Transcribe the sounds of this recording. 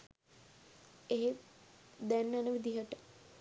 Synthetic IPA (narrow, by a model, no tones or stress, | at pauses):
eɦe | d̪ænːanəʋid̪iɦəʈə̥